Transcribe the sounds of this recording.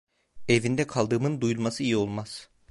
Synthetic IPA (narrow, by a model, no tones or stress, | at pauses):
e̞vind̪ɛkʰalˠd̪ɯːmɯnd̪ujulˠmasɯijio̞lˠmaz̥